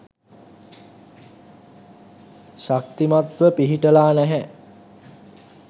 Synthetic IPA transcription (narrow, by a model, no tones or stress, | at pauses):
ʃak̚t̪imat̪ʋəpiɦiʈəlaːnɛɦɛ